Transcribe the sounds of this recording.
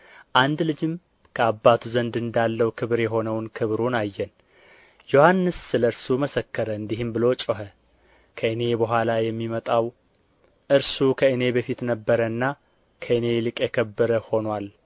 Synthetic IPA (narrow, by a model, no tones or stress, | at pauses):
ʔand̪lɨd͡ʒɪm | kʰəabːat̪ʰuzənd̪ɨnd̪alːəwkʰɨβɾjɛɦo̞nəwnkʰɨβɾunajːɛn | jo̞hanːɨsːɨləɨɾsuməsəkːəɾəɨnd̪iɦɨmbɨlo̞t͡ʃʼəɦə | kʰəɨne̞bəɦʷalajɛmːimət̪ʼaw | ʔɨɾsukʰəɨne̞bəfit̪nəbːəɾəɨnːa | kʰəɨne̞lɨkʼjɛkʰəbːɨɾəho̞nwal